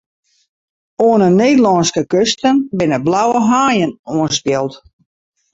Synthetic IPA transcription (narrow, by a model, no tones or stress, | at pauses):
oənəneːdəlɔnskəkøstənbɪnəblawəɦaːjənuənspjɛlˠt